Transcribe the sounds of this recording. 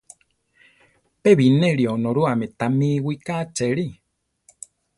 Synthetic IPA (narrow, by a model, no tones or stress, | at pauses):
peβinẽɾionõɾuamẽt̪amĩwikat͡ʃeɾi